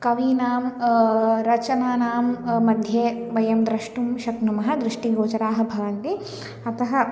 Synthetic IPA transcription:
kɐʋiːnaːm | ɾɐt͡ʃɐnaːnaːmːɐd̪ʱjeːʋɐjɐmd̪ɾɐʂʈumʃɐknumɐɦɐd̪ɾuʂʈiɡoːt͡ʃɐɾaːɦɐ̆bʱɐʋɐnt̪i | ɐt̪ɐɦɐ

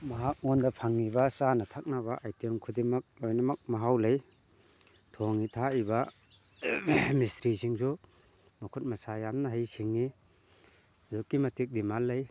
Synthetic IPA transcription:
mɐɦak̚ŋɔndɐpʰaŋːibɐsanɐtʰak̚naβaʔajtemkʰudimɐk̚lojnɐmɐk̚mɐɦawlaj | tʰɔŋitʰaiba | mistɾisiŋsu | makʰut̚mɐsajamnɐɦajsiŋːi | dukːimɐtik̚dimalːɐj

